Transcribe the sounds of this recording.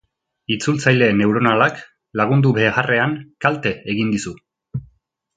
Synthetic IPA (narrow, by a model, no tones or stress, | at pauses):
it͡sult͡sajle̞ne̞wɾo̞nalak | laɣ̞und̪uβe̞ːɣare̞ankalt̪e̞eɣind̪isu